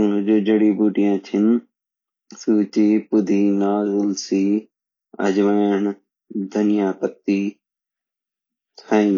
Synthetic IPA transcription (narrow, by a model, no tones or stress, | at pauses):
d͡ʒoːd͡ʒəɽiːbuːʈijãːt͡ʃ̪ʰɪn | suːt͡ʃiːpʊd̪ʱiːnaːzʊlsiː | ɐ̰d͡ʒman | d̪ʱɐnɪjaːpət̪ːiː | t̪ʰaĩn